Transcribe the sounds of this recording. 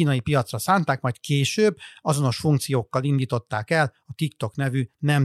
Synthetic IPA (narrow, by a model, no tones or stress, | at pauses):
iːnɒjipijɒt̪srɒsaːnt̪aːkmɒjt̪keːʃøːbːɒzo̞no̞ʃfuŋkt̪sijoːkːɒlind̪iːt̪o̞t̪ːaːkɛlɒt̪ikt̪o̞knɛvynɛm